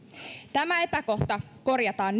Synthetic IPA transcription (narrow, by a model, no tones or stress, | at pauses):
t̪æmæepæko̞ht̪ɑko̞rjɑt̪ɑːnː